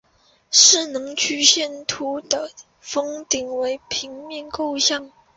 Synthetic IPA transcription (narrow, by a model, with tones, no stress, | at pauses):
ʂɻ̩˥˩nɤ˧˥ŋt͡ɕʰy˥˧ɕjɛ˥˩nt̪ʰu˥d̪ə˦ | fɤ˥ŋt̪i˨˩ŋwe˧˥ɪpʰi˧˥ŋmjɛ˥˧nko˥˧ʊɕjɑ˥˩ŋ